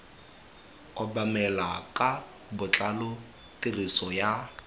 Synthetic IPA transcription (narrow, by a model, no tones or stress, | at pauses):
ɔbamɛlakʼa | bʊt͡ɬʼalʊ | tʼirisɔja